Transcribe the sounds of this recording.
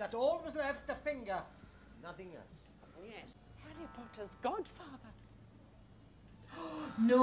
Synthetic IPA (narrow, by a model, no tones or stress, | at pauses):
ðətɔlˠwʌzlɛftəfɪ̃ŋɡə | nʌθɪ̃ŋɛ̰lˠs | jɛs | hɛɹipʰɔtʰəzɡɔd̥fɑːðə | no